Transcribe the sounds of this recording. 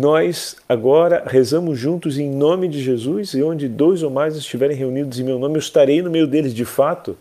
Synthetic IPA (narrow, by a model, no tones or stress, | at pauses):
nɔs | aɡɔɾɐhezɐ̃mʊzʒũnt̪ʊzẽj̃nõmɪd͡ʒɪʒezusõd͡ʒɪd̪ojzowmajzɪst͡ʃivɛɾẽj̃ɦeunid̪ʊzẽj̃mewnõmɪewɪst̪aɾejnʊmejʊd̪elɪzd͡ʒɪfat̪ʊ